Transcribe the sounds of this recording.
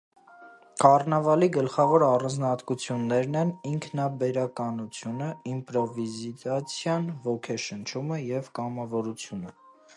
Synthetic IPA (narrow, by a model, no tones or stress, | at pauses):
kɑrnɑvɑliɡəlχɑvɔɾɑrɑnd͡znɑt̪kut͡sʰjunːɛɾnɛniŋkʰnɑbɛɾɑkɑnut͡sʰjunəimpɾɔvizit̪ɑt͡sʰjɑnvɔkʰɛʃənt͡ʃʰuməjɛvkɑmɑvɔɾut͡sʰjunə